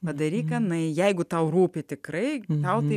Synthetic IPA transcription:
pɐd̪ɐɾʲiːkɐnɐɪjɛɪɡʊt̪ɐʊruːpʲɪt̪ʲɪkrɐɪt̪ɐʊt̪ɐɪ

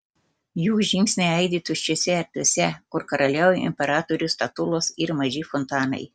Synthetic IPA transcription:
juːʒʲɪŋʲksʲnʲɛɪɐɪd̪ʲiːt̪ʊt͡ʃʲosʲɛɛɾʲt̪ʲuɔsʲɛkʊɾkɐɾɐlʲɛʊjɪ̰mʲpʲɛɾɑːt̪ɔɾʲʊst̪ɐt̪ʊlˠoːsɪɾmɐʒʲɪfɔnt̪ɑːnɐ̰ɪ

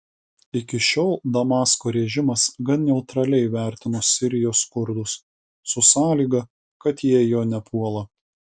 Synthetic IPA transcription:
ɪkʲɪʃʲoːlˠd̪ɐmɑːskoːɾʲɛʒʲɪmɐsɡɐnnʲɛʊt̪ɾɐlʲɛɪʋʲæˑɾʲt̪ʲɪnoːsʲɪɾʲɪjoːskʊɾd̪ʊsː | ʊsɑːlʲiːɡɐ | kɐt̪jiɛjoːnʲɛpʰuɔlˠɐ

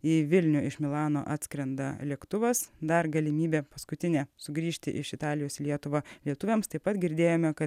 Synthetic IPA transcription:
iːʋʲɪlʲnʲʊɪʃmʲɪlˠɑːnoːʔɑːt̪ʲsʲkɾʲɛnd̪ɐ̰lʲiɛkt̪ʊʋɐsd̪ɐɾɡɐlʲɪmʲiːbʲeːpɐskʊt̪ʲɪnʲɛːsʊɡɾʲiːʃʲt̪ʲɪ̰ʔɪʃɪt̪ɑːlʲɪjoːslʲiɛt̪ʊʋɐlʲiɛt̪ʊʋʲɛmst̪ɐɪpɐt̪ɡʲɪɾʲd̪ʲeːjoːmʲɛkɐt̪

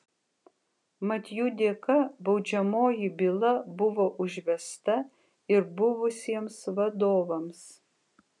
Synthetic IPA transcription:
mɐt̪ʲjud̪ʲeːkɐbɐʊd͡ʒʲɛmoːjɪbʲɪlˠɐbʊʋoːʔʊʒʲʋʲɛst̪ɐ | ɪɾbʊʋʊsʲiɛmsʋɐd̪oːʋɐms

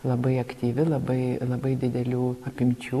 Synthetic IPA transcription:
lˠɐbɐɪɐkt̪ʲiːʋʲɪlˠɐbɐɪlˠɐbɐɪd̪ʲɪd̪ʲɛlʲuːɐpʲɪmʲt͡ʃʲuː

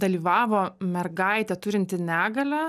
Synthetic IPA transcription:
d̪ɐlʲiːʋɑːʋoːmʲɛrɡɐɪt̪ʲɛt̪ʊɾʲɪnʲt̪ʲɪnʲæːɡɐlʲæ

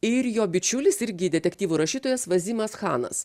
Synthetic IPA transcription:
ɪɾjoːbʲɪt͡ʃʲʊlʲɪsɪɾʲɡʲɪd̪ʲɛt̪ʲɛkt̪ʲiːʋuːɾɐʃʲiːt̪oːjɛsʋɐzʲiːmɐsxɑːnɐ̰s

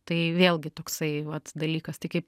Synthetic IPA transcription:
t̪ɐɪʋʲeːlˠʲɡʲɪt̪oːksɐɪʋɐt̪d̪ɐlʲiːkɐst̪ɐɪkɐɪp

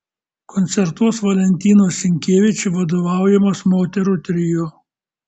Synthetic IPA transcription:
kɔnʲt̪sʲɛɾt̪uɔsʋɐlʲɛnʲt̪ʲiːnoːsʲɪŋʲkʲeːʋʲɪt͡ʃʲɪʋɐd̪oːʋɑˑʊjɛmoːsmoːt̪ʲɛɾʊt̪ʲɾʲɪjoː

